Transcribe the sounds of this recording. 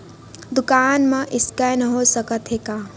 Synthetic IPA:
d̪ʊkaːnmãʔɪskanəɦosəkət̪ɦeːkaː

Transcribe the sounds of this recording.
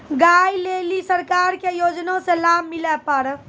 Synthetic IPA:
ɡajlelisəɾkaɾkejod͡ʒnõselabmilɛpəɾ

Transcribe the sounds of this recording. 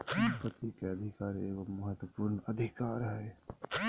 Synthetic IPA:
səmpət̪ːikeɐd̪ʱɪkaːɾeːəmɐɦət̪wəpuːɾnəd̪ʱɪkaːɾɦɛ

